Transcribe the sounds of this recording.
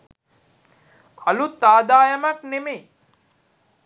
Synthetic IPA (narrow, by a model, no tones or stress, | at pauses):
alut̪ːaːd̪aːjɐmakneme